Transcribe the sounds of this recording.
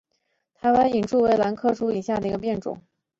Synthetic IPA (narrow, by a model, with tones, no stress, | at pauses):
t̪ʰa˧˥wa˧˥ni˨˩nʈ͡ʂu˥˩we˧˥ɪla˧˥nkʰɤ˥˧ʂu˥i˨˩ɕja˥˩d̪ə˩i˧˥ɡə˧p̬jɛ˥˩nʈ͡ʂʊ̰˨˩˦ŋ